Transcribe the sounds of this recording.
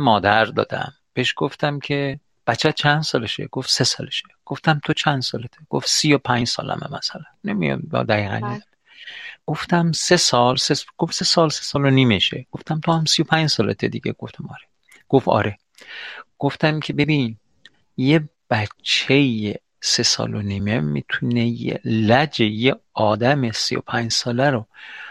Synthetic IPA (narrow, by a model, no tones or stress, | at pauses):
mɒːd̪æɾd̪ɒ̰ːd̪æ̰m | b̥eʃɡ̥oft̪æmkʰe | b̥æt͡ʃʰːæt͡ʃʰænd̪̥sɒːleʃḛɡ̥ofsesɒːleʃe̥ɡ̥oft̪æmt̪ʰot͡ʃʰænd̪sɒːlet̪ʰeɡ̥o̰fsijopʰænd͡ʒsɒ̰ːlæ̰mæ̰mæsælænːemijɒ̰mjɒ̰d̪æɣiːɣæ̰nːizæn | ɡ̥oft̪æmsesɒːlsesɡ̥ofsesɒːlse̥sɒːloniːmeʃḛɡ̥oft̪æmt̪ʰohæmsijopʰæɲd͡ʒsɒːlet̪ʰed̪iɡʲḛɡ̥oft̪ʰæmɒːɾe | ɡ̥ofɒ̰ːɾe̞ | ɡ̥o̞ft̪æmkʲʰe̞be̞bin | je | b̥æt͡ʃʰːeje | sesɒ̰ːloniːmemːḭt̪ʰunejḛlæd͡ʒejeɒːd̪æmesḭjo̰pʰæɲd͡ʒsɒːlæɾo